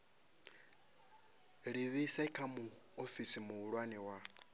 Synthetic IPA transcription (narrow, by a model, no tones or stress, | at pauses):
ɺiβisaikʰamuofisimuːɺwanɛwa